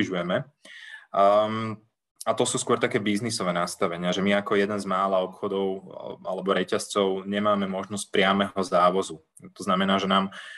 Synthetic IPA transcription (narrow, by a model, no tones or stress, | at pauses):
iʒujɛmɛ | at̪ɔsuːskʊɔɾt̪akɛːbiznisɔʋɛːnast̪aʋɛɲɪaʒɛmiakɔjɛd̪ɛnzmaːlaɔpxɔd̪ɔʊalɛbɔɾɛcast͡sɔʊɲɛmaːmɛmɔʒnɔsc̚pɾɪamɛɦɔzaːʋɔzu | t̪ɔznamɛnaːʒɛnaːm